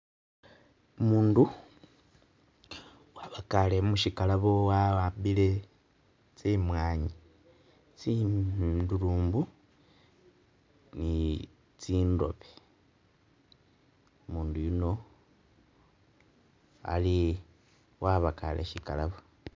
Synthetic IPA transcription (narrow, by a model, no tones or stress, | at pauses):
umuːndu | waβakale̞muʃikalaβo̞waabile̞ | t͡simwaːɲi | t͡si | duɾuːmbu | ni | t͡siːndo̞̰βe | omuːndujuno̞ | a̰li | waβaka̰lḛʃikalaβo